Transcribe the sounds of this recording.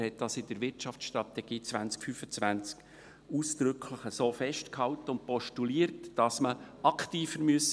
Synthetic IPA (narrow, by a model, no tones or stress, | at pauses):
hɛt̚d̥ɑsɪd̥əɾʋɪrtt͡ʃɑft͡ssʃtrɑt̪ɛɡ̥iːt͡svʋænt͡skfyːfət͡svænt͡sk | uːsd̪̥ɾʏkʰχləχəsoːfɛʃtkhɑltəʊnt̚pɔʃtuliːəɾtd̥ɑsmə | ɑkχtiːfəɾmyəs